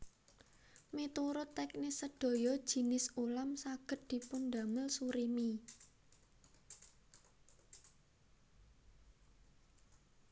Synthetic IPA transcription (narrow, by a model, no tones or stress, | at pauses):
met̪uɾʊt̪ːɛknɪsəɖ̥o̤jɔd̥ʒ̥i̤nɪsulamsaɡ̥ə̤t̪̚d̪̥i̤pʊnd̪a̤mɪlsuɾimi